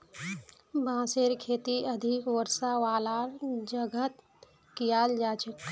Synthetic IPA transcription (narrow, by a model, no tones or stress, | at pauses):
bãːseɾkʰeːt̪iəd̪ʱikwəɾsaʋaːlaɾd͡ʒəɡʱət̪ | kijaːld͡ʒaːt͡ʃək